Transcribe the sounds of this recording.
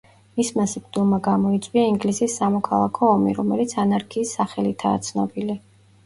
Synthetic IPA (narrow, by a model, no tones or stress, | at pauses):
mismasip̚ʼd̪ulˠmaɡamɔit̪sʼwiaiŋɡlisisːamɔkʰalˠakʰɔːmḭɾɔmɛlit̪sʰanaɾkʰiːsːaχɛlit̪ʰa̰ːt̪sʰnɔ̰bili